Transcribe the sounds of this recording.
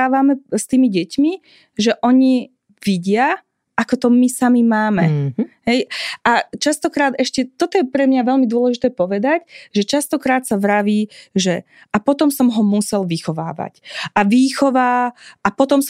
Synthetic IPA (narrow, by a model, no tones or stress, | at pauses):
aːʋamɛst̪iːmiɟɛcmi | ʒɛʔɔɲi | ʋiɟɪa | ʔakɔt̪ɔmisamimaːmɛɦɛjʔat͡ʃast̪ɔkɾaːd̪ɛʃcɛt̪ɔt̪ɔjɛpɾɛmɲaʋɛʎmid̪ʊɔlɛʒit̪ɛːpɔʋɛd̪acʒɛt͡ʃast̪ɔkɾaːt̪saʋɾaʋiːʒɛ | apɔt̪ɔmsɔmɦɔmusɛlʋixɔʋa̰ːʋa̰cʔaʋiːxɔʋaːʔapɔt̪ɔms